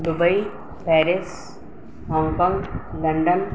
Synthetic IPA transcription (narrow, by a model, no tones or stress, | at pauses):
ɖubɐi | pɛːɾis | ɦɔ̃ːŋkɔ̃ːŋɡlɐɳɖən